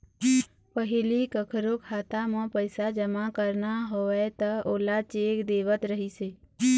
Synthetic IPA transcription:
pəɦɪlikəkʰɾokʰaːt̪amãpəɪsad͡ʒəmakəɾnaɦoɛt̪əoːlat͡ʃeːkd̪eːʋət̪ɾəɦiseː

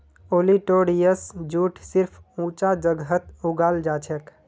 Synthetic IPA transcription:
oliʈoɽijəsd͡ʒuʈʰsiɾpʰũt͡ʃad͡ʒəɡət̪uɡald͡ʒat͡ʃʰɛk

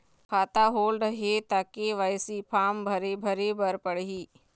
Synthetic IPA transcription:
kʰaːt̪aɦoːlɖɦet̪aːkeʋaːjsipʰaːmbʱɐɾebʱəɾebəɾpəɽɦiː

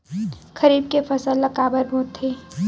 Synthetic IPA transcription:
kʰəɾiːb̚kefʰəsəlːɐkaːbəɾbʱoːt̪ʰːeː

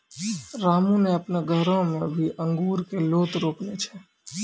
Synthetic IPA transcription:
ɾamũneəpneɡʱəɾõmẽbʱiʔə̃ŋɡuːɾkeloːt̪ɾoːknet͡ʃʰe

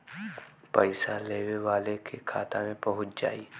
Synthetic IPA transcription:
pəɪsaleːʋeʋaːlekʰekʰa̰ːt̪a̰mẽpɐɦʊt̪d͡ʒa̰ːi

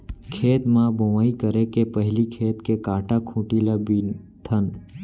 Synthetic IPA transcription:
kʰeːt̪mãboʋaːikəɾekepəɦlikʰeːt̪kekãːʈakʰũːʈilabi | t̪ʰən

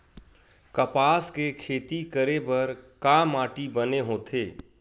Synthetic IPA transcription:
kɐpaːskekʰeːt̪ikəɾebɐɾkaːmaːʈibəneɦoːt̪ʰeː

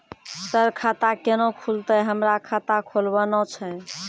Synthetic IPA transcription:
səɾkʰat̪akenõkʰult̪əɦəmɾakʰat̪akʰolbənɔt͡ʃʰɛ

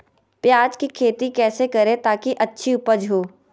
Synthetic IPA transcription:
pjaːd͡ʒkikʰeːt̪ikɛːsekɐɾẽt̪aːkiʔɐtːʃʰiʊpəd͡ʒɦoː

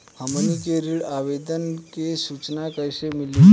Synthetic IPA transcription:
həmənikeɾiːɭaʋed̪ənkeɕut͡ɕnakəjɕemili

